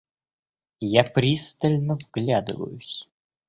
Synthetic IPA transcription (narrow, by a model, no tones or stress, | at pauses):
japɾʲist̪əlʲnəvɡlʲad̪ɨ̰və̰jʊsʲ